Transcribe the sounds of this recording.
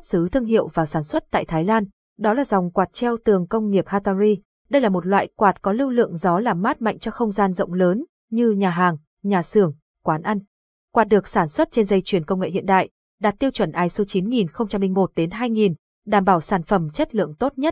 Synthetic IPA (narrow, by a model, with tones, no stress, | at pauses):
p̚sɨ˨˦t̪ʰɨ˧əŋɦḭ˧˨ə˨wvaː˨˩saː˧˩nswə˦˥t̚t̪a̰ː˧˨jt̪ʰaː˨˦jlaː˧n | ɗɔ˨˦laː˨˩za˨˩wŋ͡mkwaː˨˩t̚t͡ɕɛ˧wt̪ɨ˨˩əŋkə˧wŋ͡mŋi˨˩əp̚haː˧t̪aː˧zi˧ | ɗə˧jlaː˨˩mo˨˩t̚lwa̰ː˧˨jkwaː˨˩t̚kɔ˨˦lɨ˧wlɨ̰˧˨əŋzɔ˨˦laː˨˩mːaː˦˥t̚ma̰˧˨jŋt͡ɕɔ˧xə˧wŋ͡mzaː˧nzə̰˧˨wŋ͡mləː˨˦n | ɲɨ˧ɲaː˨˩ɦaː˨˩ŋ | ɲaː˨˩sɨ˨˧˩əŋ | kwaː˨˦nʔa˧jŋ | kwaː˨˩t̚ɗɨ˨˩ək̚saː˧˩nswə˦˥t̚t͡ɕe˧nzə˧jt͡ɕwi˨˩ənkə˧ŋ͡mŋḛ˧˨hḭ˧˨ənɗa̰ː˧˨j | ɗaː˨˩t̚t̪i˧əwt͡ɕwə˧˩nʔaː˨˦jso˨˦t͡ɕi˨˦nŋi˨˩nxə˧wŋ͡mt͡ɕa˧mlï˧ŋ̟mo˨˩t̚ɗe˨˦nɦaː˧jŋi˨˩n | ɗaː˧˩mɓaː˧˩wsaː˧˩nfə˧˩mt͡ɕə˦˥t̚lɨ̰˧˨əŋt̪o˦˥t̚ɲə˦˥t̚